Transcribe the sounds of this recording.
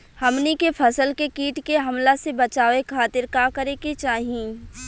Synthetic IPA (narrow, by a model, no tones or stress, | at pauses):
hɐmnikepʰɐsəlkekiːʈkeɦɐmlasebɐt͡ʃaːʋekʰaːt̪ɪɾkakəɾeket͡ʃaːɦiẽː